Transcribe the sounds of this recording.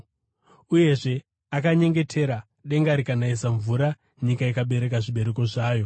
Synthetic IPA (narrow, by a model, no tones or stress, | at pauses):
uje̞ʐe̞ | akaɲe̞ŋɡe̞tʰe̞ɾa | ɗe̞ŋɡaɾikanaisaɱvuɾa | ɲikaikaɓe̞ɾe̞kaʐiɓe̞ɾe̞ko̞ʐaːjo̞